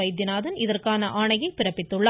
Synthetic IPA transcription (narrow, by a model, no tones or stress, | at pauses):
ɐɪd̪ɪnaːðɐnɪðɐrkaːnɐʔaːɳɐjɐɪpɪrɐpːɪt̪ːɯɭːɐ